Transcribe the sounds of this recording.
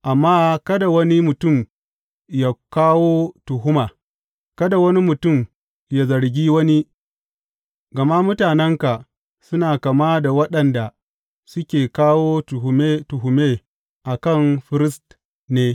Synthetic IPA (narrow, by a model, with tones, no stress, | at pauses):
ʔa˨mːaː˦kɐ˦da˨wɐ˦ni˦mʊ˨tʊ˦˨m | ja˦˨kaː˦woː˦tʊ˨ɦʊ˦maː˨ | kɐ˦da˨wɐ˦ni˦mʊ˨tʊ˦˨m | ja˦zɐ˨ɾɡʲiː˦wɐ˦ni˦ | ɡɐ˨ma˦mʊ˦taː˨nɛ˦ŋka˨ | sʊ˦naː˨kɐ˨ma˦da˨wɐ˦ɗɐ˨nda˨ | sʊ˦kʲeː˨kaː˦woː˦tʊ˨ɦʊ˨me˦tʊ˨ɦʊ˨meː˦ | ʔa˨kɐ˦˨ŋɸɪ˦ɾɪ˦st | neː˦